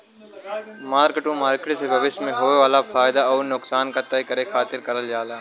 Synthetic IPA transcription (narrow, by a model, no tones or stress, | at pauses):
maːɾkɪʈũmaːɾkɪʈsebʱɐʋɪʃmẽɦoːʋeʋaːlafaːɪd̪aɔːɾnʊksaːnkat̪ɐikɐɾexʰaːt̪ɪɾkɐɾəljaːlaː